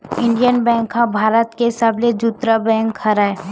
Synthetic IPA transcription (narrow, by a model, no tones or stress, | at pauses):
ɪ̃ɳɖijənbɛ̃ːŋkɦãbʱaːɾət̪kesaːbled͡ʒut̪ɾabɛ̃ːŋkʰhɐɾae